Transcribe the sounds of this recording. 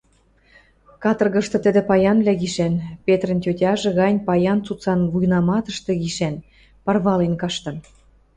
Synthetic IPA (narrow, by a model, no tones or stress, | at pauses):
kɑt̪ɤ̆rɣə̆ʃt̪ɤ̆t̪ə̆d̪ĕpɑjɑnβlʲæɣiʃænpʲet̪rə̆ntʲotʲɑʒĕɣɑnʲpɑjɑnt͡sut͡sɑnβujnɑmɑt̪ə̆ʃt̪ɤ̆ɣiʃæn | pɑrβɑlenkɑʃt̪ɤ̆n